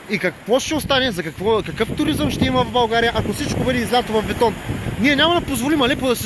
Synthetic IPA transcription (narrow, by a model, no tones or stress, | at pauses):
ikɐkvɔʃt̪ɛost̪anɛzɐkɐkvɔkɐkɤft̪ʊɾizəmʃt̪ɛimɐvɐvbɐlˠɡaɾijɐʔakosit͡ʃkobɛd̪iːzlʲat̪ovɐfbɛt̪ɔnniɛnʲamɐd̪ɐpozvolimɐlɛpod̪ɐsi